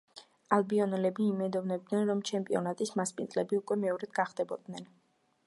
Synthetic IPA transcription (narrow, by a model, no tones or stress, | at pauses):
alˠbiɔnɛlɛbiːmɛd̪ɔvnɛb̚d̪nɛnɾɔmt͡ʃʰɛmpʼiɔnat̪ʼismaspʼinzʼlɛbiukʼwɛmɛɔɾɛd̪̥ɡaχd̪ɛbɔd̪nɛn